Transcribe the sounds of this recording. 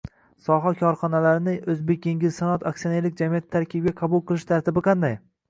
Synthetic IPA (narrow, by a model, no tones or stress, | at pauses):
sɒɦakʲʰɒɾχɒnalaɾɪnɪʔɵzbek̚ʲjeŋɡʲɪzsanɒt̪ʰaksioneɾlɪk̚ʲd͡ʒamijat̪ʰːaɾkʲʰɪbɡʲaqʰɑbulˠqɨlˠɪʃt̪ʰaɾt̪ʰɪbɪqʰɑnd̪aj